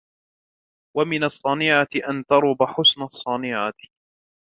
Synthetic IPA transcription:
wamɪnɑsˤːɑnɪʕat̪ɪʔant̪ɑɾˤʊbaħʊsnasˤːɑnɪʕa

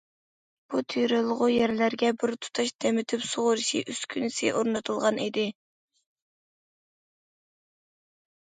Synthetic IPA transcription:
b̥ut̪ʰyjɾɨlˠəʁʊjɛɾlæɾɡʲɛbɪɾt̪ʰu̥t̪ʰɑʃd̪̥ɛmɪt̪ʰɪpsoʁʊɾɨʃḭʔyskʲʰynɪsɪ̰ʔoɾnɨt̪ʰɨlˠʁɑnid̪ɪ

